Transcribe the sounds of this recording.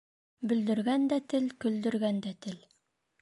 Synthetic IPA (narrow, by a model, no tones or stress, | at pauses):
bɵ̆ld̪ɵ̆ɾɡænd̪æt̪ɘlkɵ̆ld̪ɵ̆ɾɡænd̪æt̪ɘl